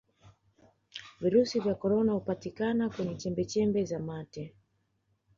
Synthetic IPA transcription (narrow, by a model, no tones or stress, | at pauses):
viɾusivjakɔɾɔnahupatikanakwɛɲɛt͡ʃɛmbɛt͡ʃɛmbɛzamatɛ